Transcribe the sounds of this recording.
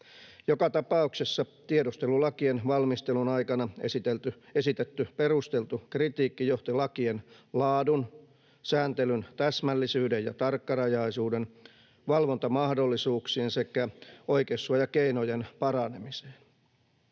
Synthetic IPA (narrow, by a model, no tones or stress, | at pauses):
jokɑt̪ɑpɑuksesːɑt̪iedost̪elulɑkienʋɑlmist̪elunɑikɑnɑesit̪elt̪yesit̪et̪ːyperust̪elt̪ukrit̪iːkːijoht̪ilɑkienlɑːdun | sæːnt̪elynt̪æsmælːisyːdejjɑt̪ɑrkːɑrɑjɑisuːden | ʋɑlʋont̪ɑmɑhdolːisuːksiensekæoikesːuɑjɑkeinojenpɑrɑne̞mise̥ːn